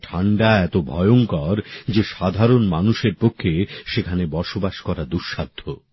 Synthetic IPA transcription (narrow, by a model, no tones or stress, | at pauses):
ʈʰaɳɖaɛt̪obʱɔ̰joŋkɔɾd͡ʑeʃad̪ʱaɾonmanuʃeɾpokʰːeʃekʰanebɔɾʃobaʃkɔɾad̪uɾʃad̪ʱːo